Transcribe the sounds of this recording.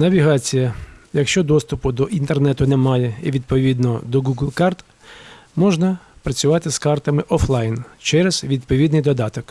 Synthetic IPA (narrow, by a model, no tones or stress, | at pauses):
nɐʋʲiɦɑt͡sʲijɐjɐkʃt͡ʃɔd̪ɔst̪ʊpʊd̪ɔʔint̪ernɛt̪ʊnɛmɑjɛiʋʲid̪pɔʋʲid̪nɔd̪ɔɡuɡlˠkɑrt̪ | mɔʒnɐpɾɐt͡sʲʊʋɑt̪ɪskɑrt̪ɐmɪʔɔflˠɑjnt͡ʃɛɾɛz̥ʋʲid̪̚pɔʋʲid̪nɪjd̪ɔd̪ɑt̪ɔk